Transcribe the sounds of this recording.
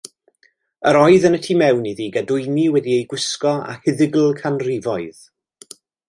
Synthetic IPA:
əɾɔɨðənətʰiːmɛwniðiːɡadʊɨmiwɛdiejɡwɪskɔa̰hɪðɪɡl̩ˠkʰanrɪvɔɨð

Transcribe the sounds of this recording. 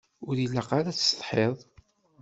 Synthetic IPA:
ʊɾilːaqaɾat͡sːst̪ˤħeðˤ

